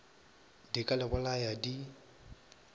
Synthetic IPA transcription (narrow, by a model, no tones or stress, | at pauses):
dikʼalɛbʊlajadi